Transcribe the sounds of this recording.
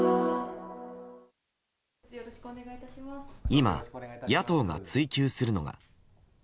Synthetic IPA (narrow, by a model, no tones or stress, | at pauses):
eɡaiaima̰jat̪o̞ːɡa̰t͡sɨikʲɨːsɨɾɯ̟no̞̰ɡa̰